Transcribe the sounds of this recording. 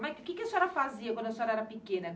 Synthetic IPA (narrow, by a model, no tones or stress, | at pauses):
makɪkɪasɛɾɐfaziɐkwɐ̃d̪ʊasɛɾɐɛɾɐpikẽnɐ